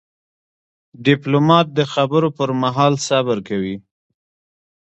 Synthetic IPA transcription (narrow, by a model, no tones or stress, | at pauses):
ɖɪplomɑt̪̚d̪əxabəɾopəɾmaɦɑlsabəɾkawi